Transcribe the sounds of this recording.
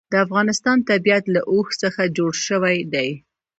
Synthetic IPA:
d̪̥əafɣɑnɪst̪ɑnt̪abijat̪laʔoxsəxad͡ʒoɽʃəwajd̪aj

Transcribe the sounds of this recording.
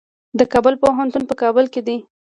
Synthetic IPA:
d̪əkɑbəlpoɦant̪unpəkɑbəlked̪i

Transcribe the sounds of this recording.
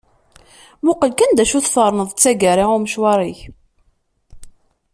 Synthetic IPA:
mʊqəlkænd̪æʃuθfəɾˤnəðˤt͡sːæɡəɾiʁʊməʃwɑɾˤiç

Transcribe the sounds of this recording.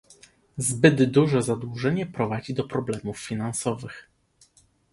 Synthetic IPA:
zbɘd̪ːuʐɛzad̪wuʐɛɲɛpɾɔvad͡ʑid̪ɔpɾɔblɛmuffʲinansɔvɘx

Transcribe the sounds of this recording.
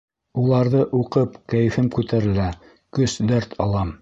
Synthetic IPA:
ulˠɑɾðɤʔuqɤpkæjɘ̆fɘmkʉt̪æɾɘ̆læ | kɵsd̪æɾt̪ʰɑlˠɑm

